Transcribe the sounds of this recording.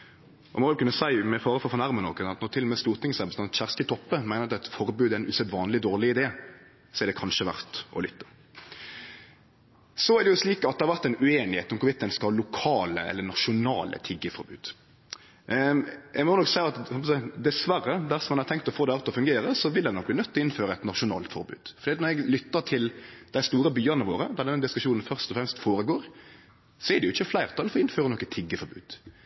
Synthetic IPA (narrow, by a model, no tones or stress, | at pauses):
ɔmɔʋɪlkʉnːəsæɪmɛfɑːɾəfɔfɔʁnæʁmənɔ̰kənɑt̪nɔɾt̪ʰɪlːɔmɛːst̪uːɾt̪ɪŋsɔæɾbəst̪ɑnɑt̪çæʁst̪ɪt̪ʰɔpːəmæɪnəɾɑt̪ɛt̪fɔɾbʉːd̪æɪnʉːsɛt̪ʋɑːnlɪd̪oːɾlɪɪd̪eː | sɔɛɾd̪ɛkʰɑnʂəʋæ̰ɾt̪ɔ̰lʏt̪ːə | sɔæɾd̪ɛjʊsliːkɑt̪d̪ɛhɑɾʋæɾt̪æɪnʉeːnɪhḛːt̪ʊmkʊʋɪt̪ːɛnskɑhɑːlʊkʰɑːlə̰ɛ̰lːənɑʃʊnɑːlə̰t̪ʰɪɡːəfɔɾbʉ̰ːd̪ | ʔɛɪɡmɔnɔksæɪɑt̪ɑpɔsæɪd̪ɛsʋærːəd̪æɾsɔmɑnɑɾt̪ʰɛŋk̚t̪ɔfoːd̪ɛɑɾt̪ːɔfʉŋɡeːɾəsɔʋɪld̪ɛɪnɔk̚b̪ɪːnœt̪ːɔɪnføːɾəɛt̪nɑʂʊnɑ̰ːlt̪fɔ̰ɾbʉ̰ːd̪̥fɔɾd̪iːt̪nɔɾɛɡlʏt̪ːəʈ̪ʰɪld̪̥æɪst̪uːɾəbyːɑnəʋo̰ːɾəd̪æʁd̪ɛnd̪ɪskʉ̥ʂuːnnfœʁst̪ɔfɾɛmst̪foːɾəɡoːɾ | sɔædɛjʊɪçːəflæɪɾt̪ʰɑlfɔɪnføːɾənɔkːət̪ʰɪɡːəfɔɾbʉ̰ːd̪̥